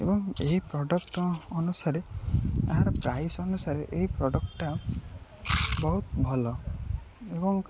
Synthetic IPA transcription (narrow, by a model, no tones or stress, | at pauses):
ḛbɔŋeɦipɾɔɖɔkʈɔɔnusaɾea̰ɦaɾɔpɾajsɔnusaɾeʔeɦipɾɔɖɔkʈa | bɔɦut̪bʱɔlɔ | ebɔŋ